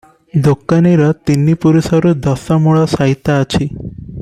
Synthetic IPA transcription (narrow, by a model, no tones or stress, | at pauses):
d̪okaniɾɔt̪inːipuɾusɔɾud̪ɔsɔmuɭɔsaɦit̪aːt͡ʃʰi